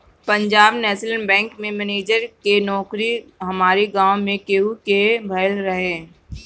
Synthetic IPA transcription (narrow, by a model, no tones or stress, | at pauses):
pɐ̃ɲd͡ʒaːbnɛːslənbɛ̃ːŋkmẽmɛneːd͡ʒəɾkenɔːkɾiɦɐmaːɾiɡãːwmẽkeːɦukebʱɐɪlɾɐɦẽː